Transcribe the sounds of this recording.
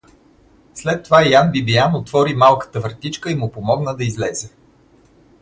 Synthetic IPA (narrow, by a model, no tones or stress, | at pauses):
slɛt̪ːovajanbibijanot̪vɔɾimalˠkə̥t̪əvəɾt̪it͡ʃkəimʊpomɔɡnəd̪ɐizlɛzɛ